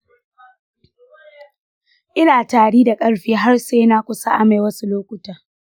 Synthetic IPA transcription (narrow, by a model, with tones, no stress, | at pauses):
ʔɪ˦naː˨taː˨ɽiː˦da˨kʼɐ˦ɽɸiː˦ɦa˦rseː˦naː˦kʷʊ˦sa˦ʔa˨ma˨jwɐ˦su˦loː˦kʷʊ˨taː˨